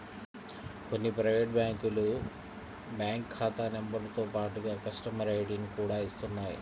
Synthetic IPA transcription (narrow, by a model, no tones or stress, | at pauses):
konːiprɐjʋeːʈ̚baːŋkulu | baːŋkkʰːaːt̪anembɐrt̪o̞ːpaːʈːuɣɐkɐsʈɐmɐɾejʈinkuːɽaːist̪unːaːj̰